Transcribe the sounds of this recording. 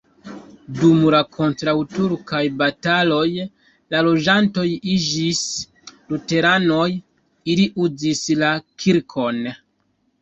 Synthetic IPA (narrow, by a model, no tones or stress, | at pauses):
dumlakʰo̞ntɾawtuɾkajbatalo̞j | lalo̞d͡ʒanto̞jid͡ʒis | lute̞ɾano̞j | iliʔuzislakʰiɾkʰo̞n